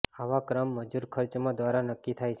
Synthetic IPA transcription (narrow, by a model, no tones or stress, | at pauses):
aʋakɾəmːəd͡ʒuɾkʰəɾt͡ʃmãd̪ʋaɾanəkːit̪ʰajt͡ʃʰ